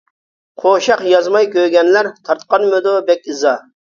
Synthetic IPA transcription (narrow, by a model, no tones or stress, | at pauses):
qʰoʃɑqjɑzmɑjkʲøɡʲɛnlæɾt̪ʰɑɾt̪qɑnmød̪obɛkʲɨzɑ